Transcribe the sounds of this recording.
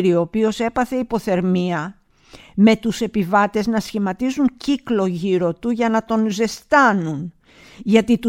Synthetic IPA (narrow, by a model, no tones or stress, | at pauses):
ɾio̞ːpio̞se̞pɐθe̞ipo̞θe̞ɾmiɐ | me̞t̪use̞pivɐt̪e̞znɐsçimɐt̪izuŋciklo̞ʝiɾo̞t̪uʝɐnɐt̪o̞nze̞st̪ɐnun | ʝɐt̪it̪u